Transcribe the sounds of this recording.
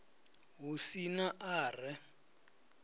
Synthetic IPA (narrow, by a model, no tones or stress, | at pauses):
ɦusinaʔaːrɛ